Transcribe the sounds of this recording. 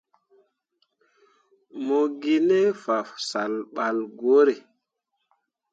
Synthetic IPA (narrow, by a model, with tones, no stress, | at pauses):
mo˨ɡi˦ne˦fa˨fsa˨lɓa˨lɡo˨˦ɾe˨